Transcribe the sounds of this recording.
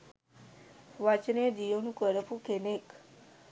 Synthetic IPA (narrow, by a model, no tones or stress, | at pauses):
ʋat͡ɕnedijonukəɾəpʰukʰenek